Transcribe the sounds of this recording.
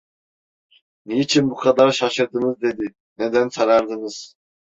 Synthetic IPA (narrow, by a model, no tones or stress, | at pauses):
nijit͡ʃʰinbuqʰɑd̪ɑɾʃɑʃɯɾd̪ɯnɯzd̪ed̪i | nɛd̪ɛnsʰɑnɑɾd̪ɯnɯz̥